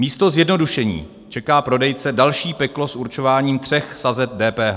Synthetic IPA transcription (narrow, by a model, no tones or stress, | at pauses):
miːst̪o̞zjɛdno̞duʃɛɲḭː | t͡ʃɛkaːpɾo̞dɛjt͡sɛdalʃiːpɛklo̞suɾt͡ʃo̞vaːɲiːmt̪r̝̥ɛxsazɛt̪̚dɛːpɛːɦa